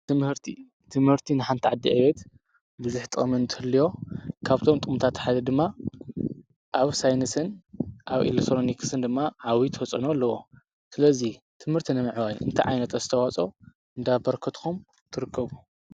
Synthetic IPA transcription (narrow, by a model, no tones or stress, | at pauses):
t̪ɨmhɨɾt̪ʰi | t̪ʰɨmhɨɾt̪ʰinɨħant̪ʰiʕad̪ːḭʕɨβɛt̪ | bɨzuħt̪ʼɨmɨnt̪ʰɨ̥hɨlːijo̞kʰaβt̪ʰo̞mt̪ʼɨmt̪ʰat̪ħad̪ɐd̪ɨmːa | ʔaβsajnɨsɨnʔaβḭlekt̪ʰɾonikʰsɨnd̪ɨmːaʕawit̪ʰwɔt͡sʼɨnolːɐwo | sɨlɐzi | t̪ʰɨmhɨɾt̪ʰinɨmɨʕwajnʔɨ̰nt̪ʰajʕa̰jnɐt̪ɐzɨt̪ʰɐwat͡sʼo̞ | ʔɨnd̪abɐɾkʰɐt̪xum | t̪ʰɨɾɨkːɐβu